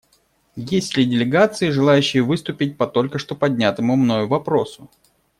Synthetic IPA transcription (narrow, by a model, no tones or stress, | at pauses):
jesʲlʲɪdʲɪlʲɪɡat̪sɨɪʐɨlˠajʉɕːɪjəvɨst̪ʊpʲɪt̚ʲpɐt̪o̞lʲkəʂt̪o̞pɐdʲnʲat̪əmʊmno̞jʊvɐpɾo̞sʊ